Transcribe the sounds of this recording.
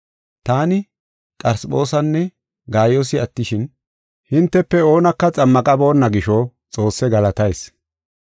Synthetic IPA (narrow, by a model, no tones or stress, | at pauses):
t̪aːnɪ | kʼɐɾsɓo̞ːsɐnːɛ | ɡaːjosɪɐt̪ːɪʃɪn | hɪnt̪ːɛpːɛoːnɐkːɐt͡sʼɐmːɐkʼɐbo̞ːnːɐɡɪʃɔ | t͡sʼo̞ːsːɛɡɐlɐt̪ɐjs